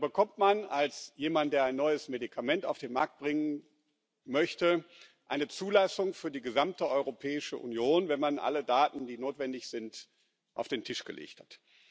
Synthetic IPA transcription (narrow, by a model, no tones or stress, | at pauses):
bəkʰɔmtmanalsjeːmantd̥eːɐaɪnːɔʏəsmedikʰamɛnta̰ʊfd̥eːnma̰ɐk̚t̚b̥ʁɪŋən | mœçtə | ʔaɪnət͡suːlasʊŋfyːɐdiːɡəzamtəʔɔʏʁopʰɛːɪʃə̰ʔṵnjoːnvɛnmanʔa̰lədaːtn̩diːnoːtv̥ɛndɪçz̥ɪnt | ʔa̰ʊfd̥eːntʰɪʃɡ̥ə̰lʔḛːçthat